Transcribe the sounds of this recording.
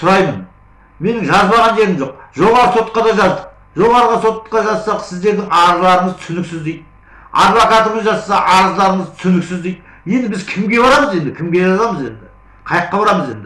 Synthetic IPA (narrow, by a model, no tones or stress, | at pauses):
sʊɾɑjmən | me̞nɪŋʒɑzbɑʁɑnd͡ʒeɾɪmʒoqʒo̞ʁɑɾəso̞t̪qɑd̪ɑʒɑzd̪əq̚ | ʒo̞ʁɑɾəʁəso̞t̪ːqɑʒɑzsɑqsɪzd̪e̞ɾd̪ɪŋɑɾəzlˠɑɾəɴəzt̪ʰsʏnɪksɪzd̪ejd̪ | ɑ̰d̪vakɑt̪əməzʒɑt̪sɑqɑɾəzlˠɑɾəɴəzt̪ʰsʏnɪksɪzd̪ejd̪ | je̞nd̪ɪbɪzkʲʰɪmɡʲe̞βɑɾɑməze̞nd̪ɪkʲʰɪmɡʲe̞ʒɑzɑməze̞̰nd̪ɪ | qʰɑjəqːɑbɑɾɑməze̞nd̪ɪ